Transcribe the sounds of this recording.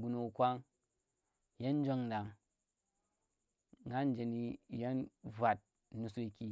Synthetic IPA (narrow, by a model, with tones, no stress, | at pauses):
ɡu˨no˨kʷa˦ŋ | je˦n˦d͡ʒo˦ŋ˨da˨ŋ˨ | a˦n˦d͡ʒe˨ni˦˨je˦nvʷa˨t̚ | nu˨so˦i˦kʲi˦